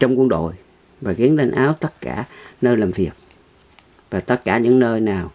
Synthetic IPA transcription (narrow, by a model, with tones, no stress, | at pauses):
t͡ɕɔ˧wŋ͡mku˧əŋɗo̰˧˨j | vaː˨˩ɣi˨˦ənle˧nʔaː˨˦wt̪ə˦˥t̚ka̰ː˧˩nəː˧jlaː˨˩mvi˨˩ət̚ | vaː˨˩t̪ə˦˥t̚kaː˧˩ɲɨ̰˧˥ŋnəː˧jnaː˨˩w